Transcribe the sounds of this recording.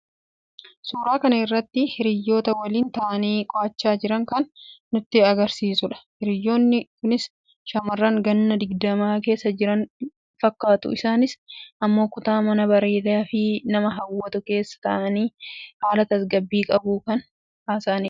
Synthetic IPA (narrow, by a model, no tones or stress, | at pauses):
suːɾaːkɐnɐɪrːɐt̪ːɪhɪɾɪjːo̞ːt̪ɐwɐliːnt̪ɐʔɐniːkʼɔʔɐt͡ʃːaːd͡ʒɪɾɐŋkɐnːʊt̪ːɪɐɡɐɾsiːsʊᶑɐ̥hɪɾɪjːo̞ːnːɪkʊnɪs | ʃɐmɐrːɐŋɡɐnːɐd̪ɪɡd̪ɐmaːke̞ːsːɐd͡ʒɪɾɐn | fɐkːaːt̪ʊ̰ʔɪsaːnɪsʔɐmːo̞ːkʊt̪aːmɐnɐbɐɾeːd̪aːfɪnɐmɐɦɐwːɐt̪ʊke̞ːsːɐ̥t̪ɐʔɐniːhaːlɐt̪ɐsɡɐbːiːkʼɐbuːkɐn | haːsaːnɪ